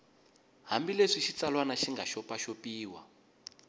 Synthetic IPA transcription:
ɦambileʂiʃit͡salwanaʃiŋɡaʃɔpaʃopiːwa̰

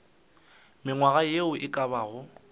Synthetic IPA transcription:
mɪŋwaɣajeʊʔɪkʼaβaːɣʊ

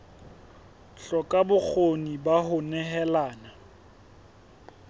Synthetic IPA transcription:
ɬɔkʼabʊk͡xʰonibaɦʊnɛɦɛlaːna

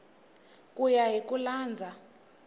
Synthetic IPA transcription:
kʼujaɦik̬ʼulaːnd͡zʱa

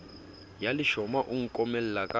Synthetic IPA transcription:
jaliʃɔmaʔuŋ̩kʼɔmɛl̩lakʼa

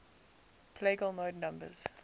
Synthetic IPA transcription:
pʰleɡəlˠmoːdnʌ̃mbə̰z̥

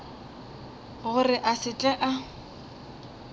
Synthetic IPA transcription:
ɣʊrɪʔasɪt͡ɬʼɛʔa

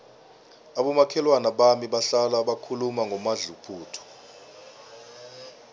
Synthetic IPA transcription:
aɓɔmakʰɛlwanaɓamiɓaɬalaɓakʰulumaŋɡʱɔmaɮupʰuːtʰɔ̥

